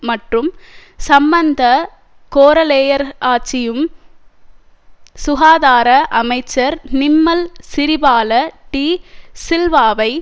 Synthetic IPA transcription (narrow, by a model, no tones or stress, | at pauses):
mɐʈrɯmsɐmbɐnd̪ɐ | koːɾɐleːjɐɾaːt͡ʃːɪjɯm | sʊɣaːðaːɾɐʔɐmɐɪt͡ʃːɐɾnɪmːɐlsɪɾɪbaːlɐʈiːsɪlʋaːʋɐɪ